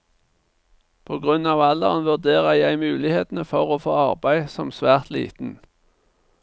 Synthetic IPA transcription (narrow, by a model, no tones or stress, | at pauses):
pʰoːɡʁʉnɑːʋɑlə̰ʁənʋʉʁd̪eːʁəjæɪmʉːlɪheːt̪n̩əfɔʁoːfoːɑʁbæɪsɔmsʋæːʁt̪lḭːt̪n̩